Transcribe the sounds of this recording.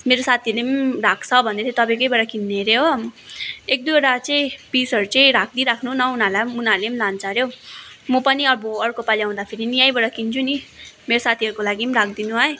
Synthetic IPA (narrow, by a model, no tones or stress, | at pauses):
meɾosat̪ʰilemrakʰt͡sʰʌbʱʌnd̪et͡sʌit̪ʌbãj̃kʌjbʌɽakinːeɾeɦo | ek̚d̪ujʌɾat͡sʌ̃ĩpisʌɾut͡sʌĩɾak̚ʰd̪iɾakʰnunʌunalamunalemlant͡saɾjomupʌniʌboʌɽkopaliãw̃d̪apʰiɾinijajbʌɽakint͡sʰunimeɾosat̪ʰiʌɾukolaɡimrakʰd̪inuɦʌe